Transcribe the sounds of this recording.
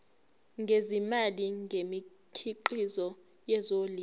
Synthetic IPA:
ŋɡʱezimaliŋɡʱemi | kʰiǃizɔ | jɛzoliː

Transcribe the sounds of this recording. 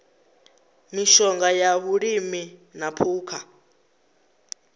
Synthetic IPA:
miʃɔŋɡajaβuɺiminapʰuːkʰa

